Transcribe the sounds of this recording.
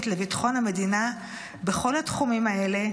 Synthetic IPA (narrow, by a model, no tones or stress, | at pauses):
tle̞vitḁχo̞nhame̞dina | be̞χo̞latχumimae̞le̞